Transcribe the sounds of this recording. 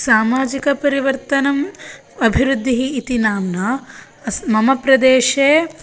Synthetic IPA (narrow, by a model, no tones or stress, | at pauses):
saːmaːd͡ʒikɐpɐɾiʋɐɾt̪ɐnɐm | ɐbʱiɾud̪ʱːiɦiːt̪inaːmnɐ | smɐmɐpɾɐd̪eːʃeː